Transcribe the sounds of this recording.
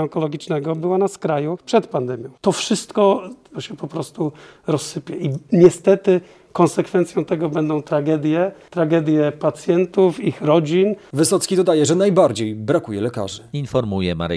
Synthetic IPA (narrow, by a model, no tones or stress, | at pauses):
ɔŋkɔlɔɡʲit͡ʂnɛɡɔbɘwanaskɾajupʂɛt̪pand̪ɛmʲjɔ̃w̃t̪ɔfʂɘst̪kɔɕɛpɔpɾɔst̪u | ɾɔsːɘpʲjɛʔiɲɛst̪ɛt̪ɘ | kɔnsɛkfɛnt̪sʲjɔ̃w̃t̪ɛɡɔbɛnd̪ɔ̃w̃t̪ɾaɡɛd̪ʲjɛt̪ɾaɡɛd̪ʲjɛpat̪sʲjɛnt̪ufixɾɔd͡ʑinvɘsɔt̪skʲid̪ɔd̪ajɛʐɛnajbaɾd͡ʑejbɾakujɛlɛka̰ʐɘinfɔɾmujɛma̰ɾ̰